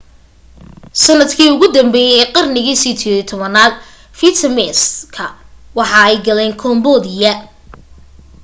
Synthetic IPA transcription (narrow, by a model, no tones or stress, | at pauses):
sɐnɐd̪kʰiːʊɣʊd̪ɐmbɛːjɛjɛːqɑrnɪɣiːsit̪ʰiːɪt̪ʰɔβɐnaːl | fit̪ʰɐmɛskʰɐwɑħɑɛjɡɐlɛːŋkʰɔmbɔðɪjɐ